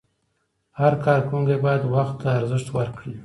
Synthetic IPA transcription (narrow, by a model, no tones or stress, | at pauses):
haɾkɑɾkuŋɡebɑjad̪waxt̪ːaːɾzɪʂt̪wəɾkɽi